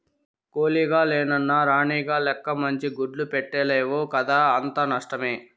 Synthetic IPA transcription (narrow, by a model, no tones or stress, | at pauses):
koːliːɡaːlɛːnɐnːaɾaːɳiːɡaːlɛkːɐmɐɲt͡ʃiɡuɖlupɛʈːeːleːʋoːkɐd̪aːɐnt̪ɐnɐʂʈɐmeː